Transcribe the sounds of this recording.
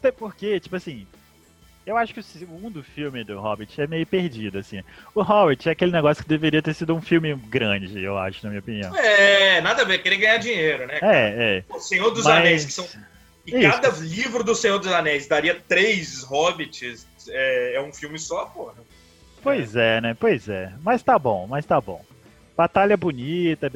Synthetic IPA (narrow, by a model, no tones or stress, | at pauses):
t̪ɛpoɾket͡ʃi̥pʊasĩ | ewaʃʊkɪʊseɡũd̪ʊfiwmɪd̪ʊɦɔbɪt͡ʃɪɛmejʊpeɾd͡ʒid̪ʊasĩɛʊɦɔbɛt͡ʃɪɛakelɪneɡɔsjʊ̥kɪd̪eveɾiɐt̪eɾsid̪ʊũfiwmɪɡɾɐ̃d͡ʒɪewa̰ʃʊnɐmĩɲɐopiniɐ̰̃ɛɛnad̪ɐvekeɾiɐɡɐ̃ɲad͡ʒiɲeɾʊnɛɛɛʊsẽɲoɾd̪ʊzanɛjskɪ̥sɐ̃w̃ | kɪikad̪ɐlivɾʊd̪ʊsẽjoɾd̪ʊzanɛjsd̪aɾiɐt̪ɾejzɦɔvɪt͡ʃɪsɛɛũfiwmɪsɔapoɛ | pojzɛnɛpojzɛmɐst̪abõ̰w̃mɐst̪abõ̰w̃ | b̥at̪aʎɐbunit̪ɐb